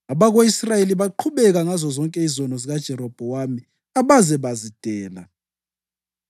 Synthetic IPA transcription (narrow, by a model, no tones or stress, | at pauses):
aβaɣwoisrajeliβaǃʰuβɛɣaŋazɔzɔŋkʼɛizɔnɔziɣad̥ʒ̥ʱɛɾɔb̥ʱɔwami | aβazɛβazid̥ʱɛːla̰